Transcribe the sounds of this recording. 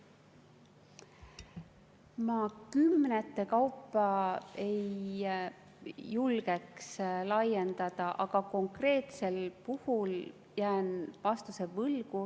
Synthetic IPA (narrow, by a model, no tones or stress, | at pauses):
mɑkymːnet̪ːe̞kɑwpːˑɑe̞j | ulɡ̥e̞kslɑjend̪̥ɑd̪̥ɑʔɑɡ̥ɑko̞ŋkre̞ːt̪se̞lpuhul | jæːnvɑst̪use̞vɤlɡ̥u